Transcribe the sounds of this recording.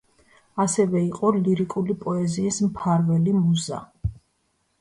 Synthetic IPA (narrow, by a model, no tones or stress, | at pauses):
asɛvɛiqʼɔliɾikʼulipʼɔɛziːsmpʰaɾvɛlimuza̰